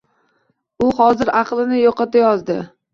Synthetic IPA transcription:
ʊhɒzɪɾɑqlˠɪnɪjoqɑt̪ajɒzd̪ɪ

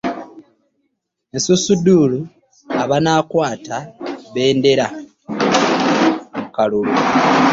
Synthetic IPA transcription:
esusuduːlu | aβanaːkwaːtʰaβe̞ːnde̞ɾa | mukalulu

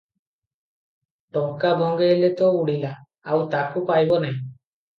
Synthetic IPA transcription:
ʈɔŋkabʱɔŋɡelet̪ɔuɽila | awt̪akupajbɔnaj̃

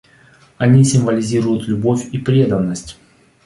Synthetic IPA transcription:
ɐnʲisʲɪmvəlʲɪzʲiɾʊjʊt̪lʲʊbo̞fʲipɾʲed̪ənːəsʲtʲ

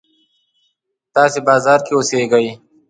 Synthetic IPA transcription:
t̪ɑːsebɑːzɑːɾkeʊseɡaj

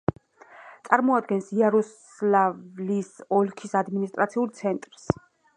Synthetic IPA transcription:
t̪sʼaɾmɔad̪̚ɡɛnsiaɾɔs | lavlisɔlkʰisad̪minist̪ʼɾat̪sʰiult̪sʰɛnt̪ʼɾs

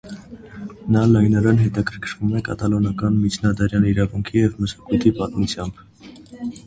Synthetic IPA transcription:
nɑlɑjnɑɾɛnɦɛt̪ɑkʰəɾkʰɾʰvumɛkɑ̰t̪ɑlɔnɑkɑnmit͡ʃʰnɑd̪ɑɾjɑniɾɑvuŋkʰijɛvməʃɑ̥kujt̪ʰipɑt̪mut͡sʰjɑmb̥

